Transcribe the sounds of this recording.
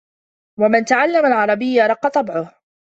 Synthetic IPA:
wamɪnt̪aʕalːamalʕɑɾˤɑbɪjːaɾˤɑqːɑt̪ˤːɑbʕʊh

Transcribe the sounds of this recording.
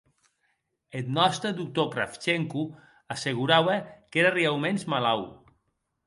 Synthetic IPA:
et̪nɔst̪ɾəðuk̚t̪okɾa̰ft͡ʃeŋku | aseɣ̞uɾaβəkeɾariawmenzmalaw

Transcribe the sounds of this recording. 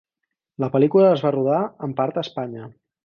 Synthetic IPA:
ləpəlikuləːzβaruðaəmpaɾt̪əspaɲə

